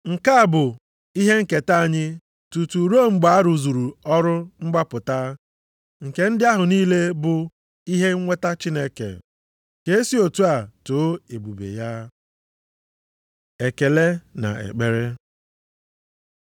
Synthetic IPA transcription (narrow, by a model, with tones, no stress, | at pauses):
ŋ̩˨ka˦a˦˨bʊ˨ | i˦ɦe˦ŋ̩˦ke˨ta˦a˨ɲɪ˦ | tu˨tu˨ɾo˦˨ŋ͡m̩˨ɡ͡ba˨a˦ɾu˨zu˨ɾu˨ɔ˦ɾʊ˦ŋ͡m̩˦ɡ͡ba˦pʊ˨ta˦ | ŋ̩˨ke˨n̩˦dɪ˦a˦ɦʊ˨niː˦le˦bʊ˨ | i˦ɦe˦ŋ̩˦ŋʷe˦ta˦t͡ʃi˦ne˦kḛ˨ | ke˦e˦si˦o˨tu˦a˨to˨˦e˨bu˨bḛ˨ja˦ | e˨ke˨le˦na̰˨ḛ˨k͡pe˨ɾe˦